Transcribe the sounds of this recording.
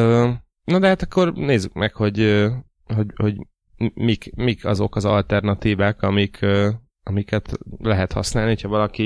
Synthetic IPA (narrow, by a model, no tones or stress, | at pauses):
øː | nod̪ɛɦat̪ɒkːo̞rneːzːykmɛkho̞ɟø | ho̞ɟho̞ɟ | mikmikʰɒzo̞kɒzɒ̰lt̪ɛrnɒt̪iːvaːkɒmikʰø | ɒmikɛt̪lɛɦɛt̪hɒ̰snaːlniho̞chɒvɒlɒki